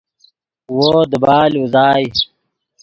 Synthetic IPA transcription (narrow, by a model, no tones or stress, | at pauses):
woːd̪əbaːluzaːj